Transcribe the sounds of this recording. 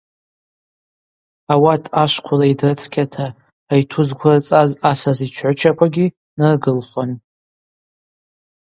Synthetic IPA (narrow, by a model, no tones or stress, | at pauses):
awatʰaʃʷkʷʰʊlaidrɨt͡sʰkʲʰatʰaː | jtʰuzɡʷart͡sʼazasazit͡ʃʷʰħʷʊt͡ʃʰakʷʰaɡʲi | nɨrɡɨlχʷan